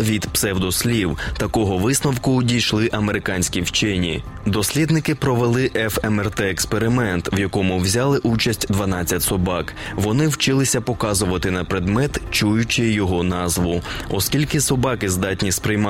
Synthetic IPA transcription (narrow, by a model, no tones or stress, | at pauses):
ʋʲid̪psɛwd̪ɔsʲlʲiwt̪ɐkɔɦɔʋɪsnɔwkʊdʲijʃlˠɪʔɐmeɾɪkɑnʲsʲkʲiwt͡ʃɛnʲḭ | d̪ɔsʲlʲid̪nɪkɪpɾɔʋelˠɪʔɛfɛmɛrt̪ɛːkspeɾɪmɛnt̪ʋjɐkɔmʊwzʲɑlˠɪʔut͡ʃɐsʲtʲd̪ʋɐnɑt͡sʲt͡sʲːɐtʲsɔbɑk | ʋɔnɪwt͡ʃɪlˠɪsʲɐpɔkɑzʊʋɐt̪ɪnɐpɾɪd̪mɛt̪t͡ʃujʊt͡ʃɪjɔɦɔnɑzʋʊɔskʲilʲkɪsɔbɑkɪzd̪ɑtʲnʲispɾɪjmɑ